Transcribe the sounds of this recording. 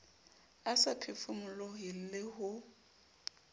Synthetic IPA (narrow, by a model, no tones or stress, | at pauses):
asapʰɪfʊmʊlɔɦɪl̩lɪɦʊ